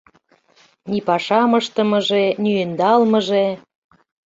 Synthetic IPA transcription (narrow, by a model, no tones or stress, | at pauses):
nipɑʃɑməʃt̪ə̆mə̆ʒenyend̪ɑlmɤ̆ʒe